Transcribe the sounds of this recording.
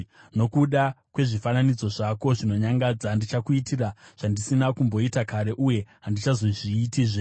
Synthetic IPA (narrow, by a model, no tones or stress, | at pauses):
no̞kuɗakwe̞ʐifananid͡zo̞ʐako̞ʐino̞ɲaŋɡad͡zandit͡ʃakuitiraʐ̥andisinakumbo̞itakaɾe̞ʔuje̞ɦandit͡ʃazo̞ʐiːtiʐe